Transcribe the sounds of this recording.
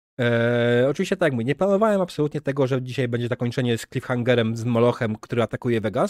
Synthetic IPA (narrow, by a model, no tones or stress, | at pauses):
ɔt͡ʂɨvʲiɕt͡ɕɛt̪ajakmuvʲiɲɛplanɔvawɛmapsɔlut̪ɲɛt̪ɛɡɔʐɛd͡ʑiɕajbɛɲd͡ʑɛzakɔɲt͡ʂɛɲɛsklʲifxaŋɡɛɾɛmzmɔlɔxɛmkt̪uɾɘat̪akujɛvɛɡa